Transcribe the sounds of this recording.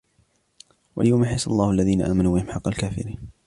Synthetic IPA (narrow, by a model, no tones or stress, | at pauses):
wa̰ljawmaħajsalˤːɑːhalːaðiːnaʔaːmanuːbɪhɪmħɑqːɑlkaːfɪ̰ɾiːn